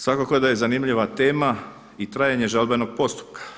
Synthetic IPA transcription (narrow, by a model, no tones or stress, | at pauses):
sʋakokod̪aje̞zanimʎiʋat̪e̞ːma | it̪ɾaːjeɲe̞ʒalbeno̞ɡ̥̚po̞st̪u̥p̚kḁ